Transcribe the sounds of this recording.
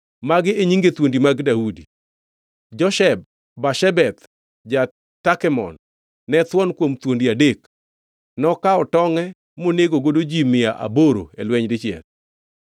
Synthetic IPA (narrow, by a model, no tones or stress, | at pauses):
maɡɪeɲiŋɡet̪wondimaɡdaudi | d͡ʒɔʃɛb̚ː | aʃɛbɛt̪ | d͡ʒa | takɛmɔ̰nː | ɛt̪wɔnkwomt̪wondiadek | nɔkaɔtɔŋɛ | moneɡoɡodod͡ʒimɪjaʔa̰boɾo̰elwɛɲdɪt͡ʃɛ̰l